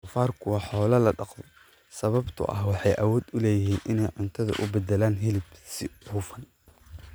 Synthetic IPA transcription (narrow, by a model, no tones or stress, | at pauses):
ʊfaːrkʰʊwɑħɔːlɐlɐɖɑqðɔ | sɐβɐbt̪ʰʊ̰ʔɐ̰hwɑħɑjʔɐwɔːd̪ʊlɛːjɪɦiːnʔɪnɛjʕʊnt̪ʰɐðɐ̰ʔʊbɛd̪ɛlaːnɦɪlɪbsɪuːfɐn